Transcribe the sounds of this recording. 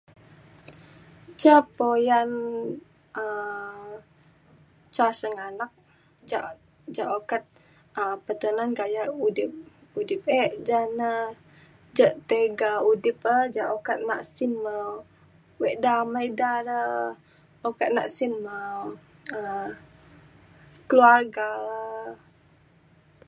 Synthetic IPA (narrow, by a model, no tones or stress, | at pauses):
t͡ʃapojan | ə | t͡ʃasəŋanak̚ | d͡ʒa̰ʔ | d͡ʒaʔokat̪̚ | əpət̪ənanɡajaudɪp̚ | udɪp̚eʔd͡ʒanə | d͡ʒəʔt̪eɡaudɪpəd͡ʒaʔokat̪̚na̰ʔsinmə | wɛʔdamajdaɾə | okat̪̚na̰ʔsinmə | ə | kəluarɡa